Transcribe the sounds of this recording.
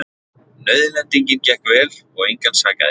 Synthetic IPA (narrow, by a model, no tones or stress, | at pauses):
nœɥðʏlɛnt̪iɲcɪncɛhkvɛːlɔɣejŋkansaːka̰ðɪ